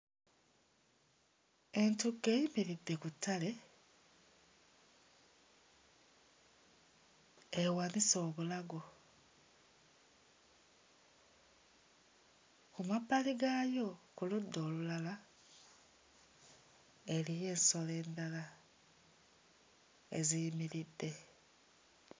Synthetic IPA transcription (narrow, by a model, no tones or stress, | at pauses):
e̞ntuɡe̞imiɾid̪ːe̞kutːale̞ | ewaniso̞ːβulaɡo̞ | kumapːaliɡaːjo̞kuludːo̞ːlulala | elije̞ːnso̞le̞ːndala | ḛzijimiɾidːe̞